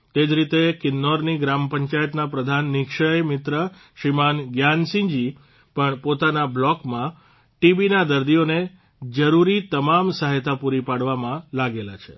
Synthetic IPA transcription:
t̪ed͡ʒɾit̪ekɪnːɔɾniɡɾampəɲt͡ʃajət̪napɾəd̪ʱanːɪkʃəɭmɪt̪ɾə | ʃimanɡjansĩɲd͡ʒi | pəɳpot̪anablɔkmã | ʈibinad̪əɾd̪ijone | d͡ʒəɾuɾit̪əmamsaɦet̪ʰapuɾipaɽʋamãlaɡela̰t͡ʃʰḛ

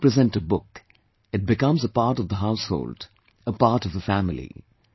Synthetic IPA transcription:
pɹɨzɛ̃ntəbʊk | ɨt̚bɨkʌ̃mzəpaɾʈʌvd̪əɦaʊsho̰ːld | əpaːʈʌvðəfæmɪlḭ

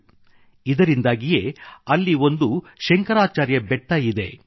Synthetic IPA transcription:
id̪ɐɾind̪aːɡije̞ːɐlːio̞nd̪u | ʃɛŋkɐɾaːt͡ʃaːɾjɐbɛʈːɐjid̪e̞

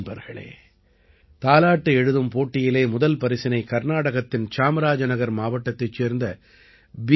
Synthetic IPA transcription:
bɐɾɣɐ̰ɭḛː | t̪aːlaːʈːɯɛɻɯðɯmpoːʈːɪjɪleːmʊðɐlpɐɾɪsɪnɐɪkɐɾnaːɽɐɣɐt̪ːɪnt͡ʃaːmɐɾaːd͡ʒɐnɐɣɐɾmaːʋɐʈːɐt̪ːɐt͡ʃːeːɾnd̪ɐ | b

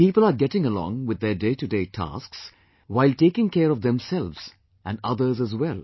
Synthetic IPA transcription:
piːpəl̩ˠaɾɡɛtɪ̃ŋəlɔ̰̃ŋwɪd̪ədeɪtɨdeɪtʰa̰sks | waɪlʈeːkɪ̃ŋkɛːɾɔʋd̪ɛ̃msɛlʋz̥ | ʔæ̃nɖʌd̪ə˞zəzwɛlˠ

